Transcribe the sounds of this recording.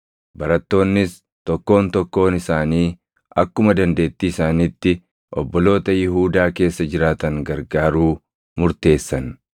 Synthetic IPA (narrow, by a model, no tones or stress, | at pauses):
bɐɾɐt̪ːo̞ːnːɪs | t̪ɔkːo̞ːnt̪ɔkːo̞ːnɪsaːniː | ɐkːʊmɐd̪ɐnd̪e̞ːt̪ːiːɪsaːnit̪ːɪ | ʔɔbːɔlo̞ːt̪ɐjɪɦuːd̪aːke̞ːsːɐd͡ʒɪɾaːt̪ɐŋɡɐɾɡaːɾuː | mʊɾt̪e̞ːsːɐn